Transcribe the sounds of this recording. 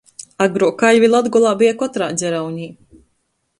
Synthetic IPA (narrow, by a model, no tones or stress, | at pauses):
aɡɾuɔkaʎvilˠad̪ɡɔlˠaːbijakɔt̪ɾaːzʲɛɾawɲiː